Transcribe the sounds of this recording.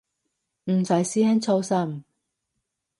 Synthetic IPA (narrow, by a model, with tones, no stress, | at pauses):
m̩˨˩sɐ˨˥˩jsiː˥hɛː˥nt͡sʰo˥wsɐ˥˩m